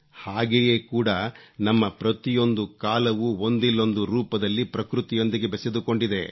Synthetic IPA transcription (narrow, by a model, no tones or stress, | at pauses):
haːɡeje̞ːkuːɽɐnɐmːɐpɾɐt̪ijo̞nd̪ukaːlɐʋuo̞nd̪ilːo̞nd̪uɾuːpɐd̪ɐlːipɾɐkɾut̪ijo̞nd̪iɡe̞bɛse̞d̪uko̞ɳɖid̪e̞